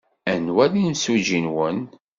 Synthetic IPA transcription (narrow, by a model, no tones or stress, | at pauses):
ænwælinsud͡ʒinwən